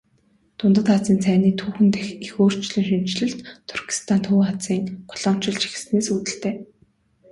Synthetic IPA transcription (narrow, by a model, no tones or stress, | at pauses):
t̪ʰʊnt̪ə̆t̪χat͡siːnt͡sʰæːniːt̪ʰuːxɘ̆nt̪æxixoːr̥t͡ɕɮĭŋʃim̥t͡ɕɮɘ̆ɮt̪t̪ʰːʊrkʰi̥st̪ʰant̪ʰuːχat͡siːŋqʊ̥ɮ̥ɔːm̥t͡ɕɪ̆ɮt͡ɕi̥xɘ̆sneːsuːt̪ɘ̆ɬt̪eː